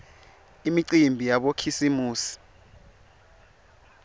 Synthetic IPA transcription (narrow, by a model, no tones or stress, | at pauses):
imiǀimbʱijaɓokʰisimuːsi̥